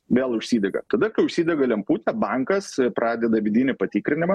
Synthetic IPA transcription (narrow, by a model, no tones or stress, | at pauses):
ʋʲeːlˠʊʃʲsʲiːd̪ʲɛɡɐ̰t̪ɐd̪ɐkɐɪʊʃʲsʲiːd̪ʲɛɡɐlʲɛmpuːt̪ʲɛbɐŋkɐspɾʔɑːd̪ʲɛd̪ɐʋʲɪd̪ʲiːnʲɪpɐt̪ʲiːkɾʲɪnʲɪmɐ